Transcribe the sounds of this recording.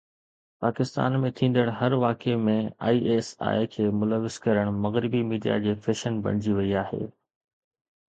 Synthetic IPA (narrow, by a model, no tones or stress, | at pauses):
paːkɪst̪a̰ːnmẽt̪ʰĩːnd̪əɽɦɐɾʋaːkemẽa̰ːiːʔeːsa̰ːekʰeːmʊləʋɪz̥kɐɾəɽ̃mɐɣɾɪbimiːɖija̰d͡ʑeːfeːʃənbɐ̰ɽ̃ɪd͡ʑiʋɐiaːɦḛː